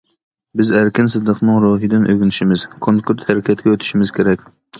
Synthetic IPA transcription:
bɪzæɾkʲɪnsɨd̪ːɨqʰnɨŋɾoɦɨd̪ɪnʔøɡʲynɪʃɪmɪz̥kʰoŋkʰuɾt̪hæɾɪkʲɛt̪ɡʲɛøt̪ʰɪ̥ʃɪmɪzkʲʰeɾɛkʲ

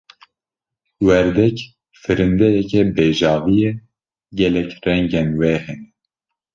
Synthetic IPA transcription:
wɛɾd̪ɛk | fɨɾɨnd̪ɛjɛkɛbeːʒɑːvijɛ | ɡɛlɛkrɛŋɡɛnwɛhɛnɛ

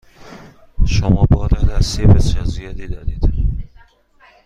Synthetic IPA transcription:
ʃomɒːbɒːɾædæsiebesijɒːzijɒːd̪iːd̪ɒːd̪iːd̪̥

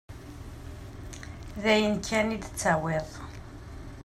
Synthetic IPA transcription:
ðæjənkʰːænid̪ət͡sːawɪðˤ

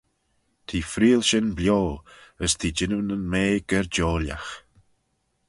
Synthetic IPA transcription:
t̪ʰiːfɾiːlˠʃɪnbljoːəst̪ʰiːd͡ʒɪnunənmeːɡ̥əɾd͡ʒoːlja̰x

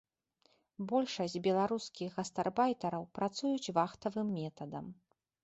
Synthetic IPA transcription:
bɔlʲʂɐsʲd͡zʲbʲɛlˠaɾuskʲixɣɐst̪arbajt̪ɐɾɐwpɾat̪sujut͡sʲvaxt̪ɐvɨmːʲɛt̪ɐd̪ɐm

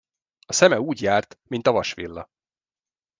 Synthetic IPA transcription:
ɒsɛmɛuːɟjaːrt̪mint̪ɒvɒʃʋḭlːɒ

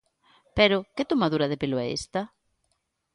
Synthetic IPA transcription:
peɾʊkɪt̪omaðuɾɐðepelʊɛ̰ḛst̪ɐ

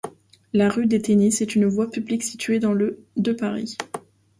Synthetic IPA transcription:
laʁyd̪et̪enisɛt̪ynvwapybliksit̪ʰɥed̪ɑ̃ləd̪əpaʁḭ

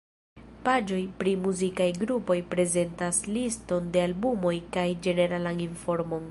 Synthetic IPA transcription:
pad͡ʒo̞jpɾimuzikajɡɾupo̞jpɾe̞ze̞ntaslisto̞nde̞albumo̞jkajd͡ʒe̞ne̞ɾalaninfo̞ɾmo̞n

